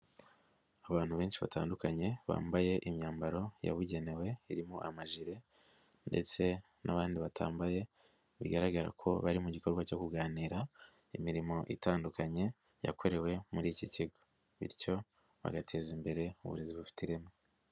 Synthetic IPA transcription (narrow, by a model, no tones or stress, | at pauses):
aβaːn̥huβe̞ːnʃiβa̰taːndukaɲe̞βa̰ːmbaje̞ʔimɲaːmbaɾo̞ja̰βuɟe̞ne̞we̞iɾimoʔamaʒiɾe̞ | nde̞̰t͡se̞ | nʔaβaːndiβatʰa̰ːmbaje̞ | βḭɡaɾaɡaɾa̰kʰo̞̰βaɾimuɟikʰo̞ɾɡwaco̞kuɡaːniːɾa | imiɾimo̞ʔitaːndukaɲe̞ | ja̰kʰo̞ɾe̞we̞muɾiːciciɡo̞̥ | βḭɾco̞ | βa̰ɡatʰe̞ːzimbe̞ɾe̞ṵβṵɾe̞ziβufi̥tiɾe̞mo